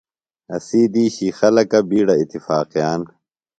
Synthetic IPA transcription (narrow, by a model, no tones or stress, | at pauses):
ɐ̰siːd̪iːɕixɐlɐkɐbiːɽɐit̪ːifaːqijaːn